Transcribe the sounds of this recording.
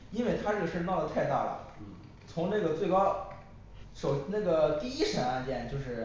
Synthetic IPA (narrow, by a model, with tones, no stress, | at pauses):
i˥nwe˥˩ɪt̪ʰa˥ɤ˥˩ɡə˩ʂɻ̩ə˥t̪ɑ˥˩ʊd̪ə˩t̪ʰa˥˧ɪt̪a̰˥˩lə̰˩ | t͡sʰʊ˧˥ŋna˥˩ɡə˩t͡swe˥˩ɪkɑ˥ʊ | ʂo˨˩ʊ˥na˥˩ɡə˩t̪i˥˩i˥ʂə˧˥ŋa˥˧nt͡ɕjɛ˥˩nt͡ɕjo˥˧ʊʂɻ̩˥˩